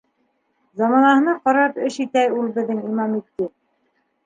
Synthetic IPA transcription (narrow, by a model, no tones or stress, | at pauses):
zɑmɑnɑhɤ̆nɑqɑɾɑpɘʃit̪æjulˠbɘ̆ðːɘŋimɑmit̪ːɘ